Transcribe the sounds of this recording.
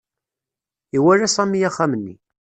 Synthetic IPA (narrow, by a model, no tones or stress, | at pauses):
iwæɾæsˤɑmijaχːamənːḭ